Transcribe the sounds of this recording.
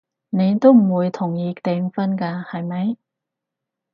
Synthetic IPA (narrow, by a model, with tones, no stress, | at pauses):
ne˨˧jt̪o˥wm̩˨˩wuː˨˧jt̪ʰʊ˨˩ŋjiː˧t̪e˨˧ŋfɐ˥nkaː˧hɐ˨jmɐ˨˥j